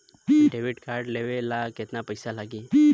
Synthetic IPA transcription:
ɖeːʋɪʈkaːɾɖleʋelakɪt̪napɐɪsalaɡiː

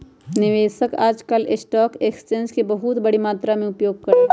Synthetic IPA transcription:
nɪʋeːʃəkaːd͡ʒkəlɪsʈaːkeːksʈẽːnskibɐɦʊt̪bɐɽimaːt̪ɾamẽʊpjoːɡ̚kɐɾeː

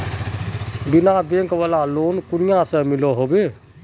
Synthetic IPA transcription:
binabẽŋkʋalalonkunijãsə̃miloɦobe

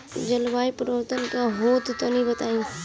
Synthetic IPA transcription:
d͡ʒəlʋaːipəɾʋɾt̪ənkaɦoːt̪t̪onĩbət̪aːĩ

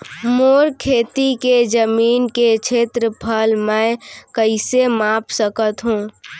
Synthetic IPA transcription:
moːɾkʰeːt̪iked͡ʒəmiːnket͡ʃʰeːt̪ɾəpʰəlmɛ̃kəɪsemaːpsəkət̪ɦũː

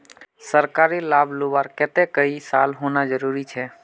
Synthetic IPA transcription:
səɾkaːɾilaːbʱlubaːɾket̪ekəisaːlɦoːnad͡ʒəɾuːɾit͡ʃʰɛː

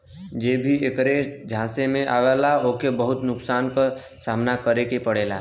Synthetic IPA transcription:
d͡ʒeːbʱiekɾed͡ʒʱãːsemẽʔaːʋelaoːkebəɦʊt̪nʊksaːnka | saːmnakəɾekepəɽ̤eːla̰ː

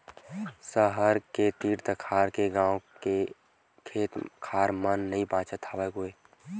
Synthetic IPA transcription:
səɦəɾket̪iːɾt̪əkʰaːɾkeɡãːwke | kʰeːt̪kʰaːɾmənːəɦĩbaːt͡ʃət̪ʰaːʋeɡʊeː

